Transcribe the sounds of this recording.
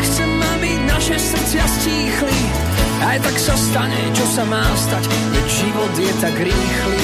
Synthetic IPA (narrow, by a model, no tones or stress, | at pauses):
ksɛːaːbinaʃɛsr̩t͡sɪasciːxli | ajt̪aksast̪aɲɛt͡ʃɔsamaːst̪ac | ʋɛɟʒiʋɔd̪jɛt̪aɡɾiːxli